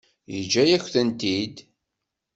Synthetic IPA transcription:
jə̰d͡ʒːæjæçθənt̪id̪

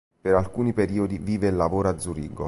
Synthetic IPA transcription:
peɾalkuːnipeɾiːod̪iviːvelːavoːɾoad̪zuɾiːɡo̰

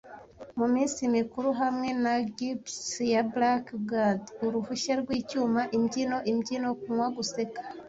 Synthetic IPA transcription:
mumiːnsimikuɾuɦamŋe̞naɡipsjablakbɡaduɾuhuʃaɾɡwiːcuːmaʔimɟino̞ʔimɟino̞kumwaɡuse̞kḁ

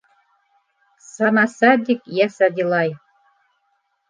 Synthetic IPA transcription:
sɑnɑsɑd̪ʲikjæsɑd̪ʲilˠɑj

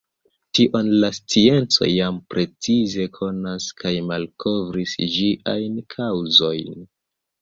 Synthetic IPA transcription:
tiʔo̞nlast͡sie̞nt͡so̞̰jampɾʔe̞t͡size̞kʰo̞naskʰajmalkʰo̞vɾisd͡ʒiʔa̰jnkʰawzo̞jn

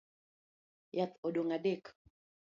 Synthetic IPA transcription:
jat̪odoŋadek

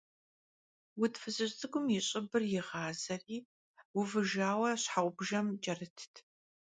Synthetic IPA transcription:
wʊtfɨzʼɨɕtʼɨɡʷʊmjɪɕʼɪbɨrjɪʁɑːzɐriː | wʊvɨʒaːwɐɕħaʔʷʼʊbʒɐmd͡ʒʼɐrɨtʰtʰ

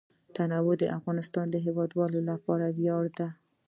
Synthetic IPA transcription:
t̪anawʊd̪əʔafɣɑnɪst̪ɑnd̪əɦewɑd̪wɑlolapɑɾawjɑɽd̪a

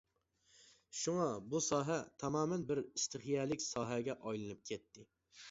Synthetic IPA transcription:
ʃuŋɑbusɑːɦɛt̪ʰɑmɑːmɛnbɪɾist̪ʰɪχjɛlɪkʲsɑːɦɛɡʲɛʔɑjlˠɨnɨp̚kʲʰɛt̪ːɪ

